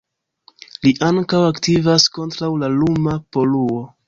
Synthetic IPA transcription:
liʔaŋkawaktivasko̞ntɾawlalumapo̞luo̞

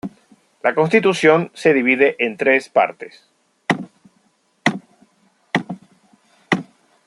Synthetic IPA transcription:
lako̞ns̬t̪it̪usjo̞nse̞ðiβiðeʔent̪ɾespa̰ɾt̪es

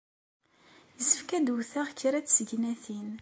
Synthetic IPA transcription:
jəsə̥fkæd̪wuθaʁçːɾæt͡sːsəʝnæθin

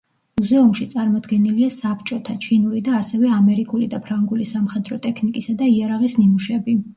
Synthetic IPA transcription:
muzɛumʃit̪sʼaɾmɔd̪ɡɛniliasapʰt͡ʃʼɔt̪ʰat͡ʃʰinuɾid̪aːsɛvɛamɛɾikʼulid̪apʰɾaŋɡulisamχɛd̪ɾɔt̪ʼɛkʰnikʼisad̪aiaɾaʁisnimuʃɛbi

